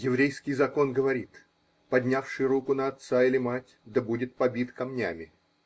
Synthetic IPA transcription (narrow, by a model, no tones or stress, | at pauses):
jɪvɾʲejskʲɪjzɐko̞nɡəvɐɾʲit̪ | pɐdʲnʲafʂɨjɾukʊnəɐt̪sailʲɪmatʲd̪əbudʲɪt̪̚pɐbʲit̪kɐmnʲa̰mʲɪ